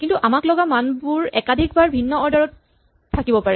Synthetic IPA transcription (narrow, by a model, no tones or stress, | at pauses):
kintuʔamaklɔɡamanbʊɹɛkadʱik̚baɹbʱinːɔɔɹdɔɹɔtʰː | akibɔpaɹɛ